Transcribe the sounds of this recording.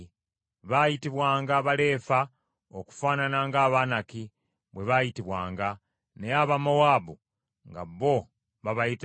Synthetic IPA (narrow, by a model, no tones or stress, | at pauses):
βajitiβwaːŋɡaβale̞ːfa | oku̥faːnanaŋɡaːβanaki | βwe̞βajitiβwaːŋɡa | neaβamowaːbu | ŋɡa̰βːo̞ | βaβajit